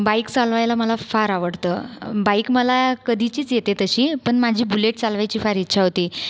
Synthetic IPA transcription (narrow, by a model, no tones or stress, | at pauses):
baikt͡salʋajlaməlafaɾaʋəɽt̪ə̰ːbaikməlakəd̪ʱit͡ɕiːt͡sjet̪et̪əɕiːpəɳmad͡ʑʱiːbuleʈ̚t͡salʋajt͡ɕiːfaɾitːɕʰaɦot̪iː